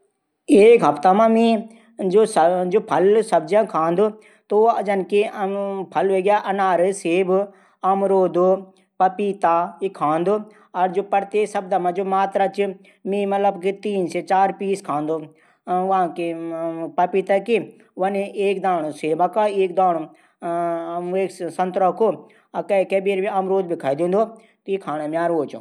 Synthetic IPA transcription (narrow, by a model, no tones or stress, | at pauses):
eːkɦɐpt̪amãmĩ | d͡ʒosd͡ʒoːpʰɐlsɐb̚d͡ʒãkʰãːnd̪o | t̪oɐd͡ʒɐnkepʰɐlʋeːɡjaʔɐnaːɾseːb | ɐmɾoːd̪o | pɐpiːt̪aikʰːãːnd̪o | ɐɾd͡ʒoːpɐɾt̪esɐb̚d̪amãd͡ʒoːmaːt̪ɾat͡ʃi | mĩmɐt̪ləbkit̪iːnset͡ʃaːɾpiːskʰãːnd̪oː | ãkepɐpiːt̪aki | ʋɐneːk̚d̪aːɽ̃oseːbakaeːk̚d̪aːɽ | eːksɐ̃nt̪ɾəkʰo | kɐikeːbeːɾmĩamɾoːd̪̚bikʰaid̪ĩːn̆d̪o | t̪ikʰaːñomjaːɾoːt͡ʃo̰